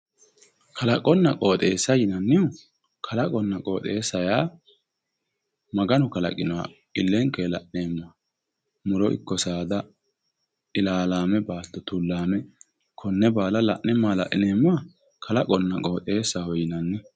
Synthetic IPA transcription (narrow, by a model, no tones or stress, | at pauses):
kʰɐlɐkʼɔnːɐkʼo̞ːt̪ʼe̞ːsːɐjɪnɐnːɪʊ | kʰɐlɐkʼɔnːɐkʼo̞ːt̪ʼe̞ːsːɐjaː | mɐɡɐnʊkɐlɐ̰kʼɪnɔwa̰ | ɪlːɛŋkeːlɐʔneːmːaː | mʊlɔʔɪ̰kːɔsaːd̪ɐ | ʔɪlaːlaːmɛbaːd̪ːɔt̪ulːaːmɛ | kʰɔnːɛbaːlɐlɐʔnɛmːaːlɐ̰ʔɪneːmːaː | kʰɐlɐkʼɔnːɐkʼo̞ːt̪ʼeːsːahɔjɪnɐnːɛ